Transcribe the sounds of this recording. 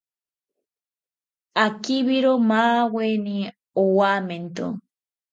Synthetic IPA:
akiβiɾomaːweni | owament̪o̰

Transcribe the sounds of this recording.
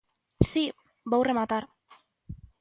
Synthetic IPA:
si | bawremat̪aɾ

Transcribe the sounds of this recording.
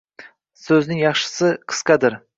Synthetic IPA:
sɵznɪŋjɑχʃɪ̥sɪqʰɨ̥skʲad̪ɪɾ

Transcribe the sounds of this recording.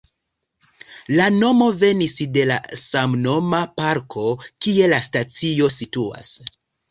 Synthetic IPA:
lano̞mo̞ve̞nisde̞la̰samno̞mapaɾkʰo̞kie̞lastat͡sio̞situa̰s

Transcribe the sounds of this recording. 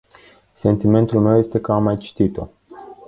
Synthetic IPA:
se̞nt̪ime̞nt̪ulme̞wje̞st̪e̞kəamːajt͡ʃi̥t̪it̪o̞̰

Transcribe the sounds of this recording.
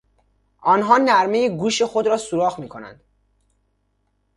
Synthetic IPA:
ʔɒːnɦɒːnæɾmejeɡuːʃe̞xod̪ɾɒːsuɾɒːɣmiːkʰo̞næ̰nd̪̥

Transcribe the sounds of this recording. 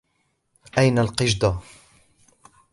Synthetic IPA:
ʔajnalqɨʒd̪a

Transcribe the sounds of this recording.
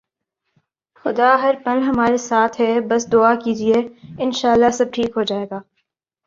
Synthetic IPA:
xʊd̪aɦɐɾpɐlɦɐmaːɾesaːt̪ʰɦɛbɐsd̪ʊakiːd͡ʒieɪnʃaːəlːasɐb̚ʈʰiːkɦod͡ʒaːeːɡaː

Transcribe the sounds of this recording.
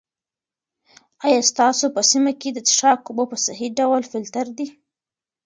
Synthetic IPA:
ɑjɑst̪ɑsopəsimaked̪ət̪ɪ̥ʃɑkʊbopəsaɦiɖawlfɪlt̪aɾd̪i

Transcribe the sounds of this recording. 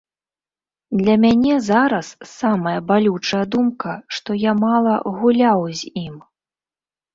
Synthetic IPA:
d̪lʲɐmʲanʲɛzaɾɐsːamɐjɐbalʲut͡ʂɐjɐd̪umkɐʂt̪ɔjamalˠɐ̰ɣulʲawzʲim

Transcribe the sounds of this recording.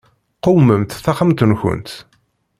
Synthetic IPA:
qʊwməmt̪θæχəmt̪ənçə̰nt̪

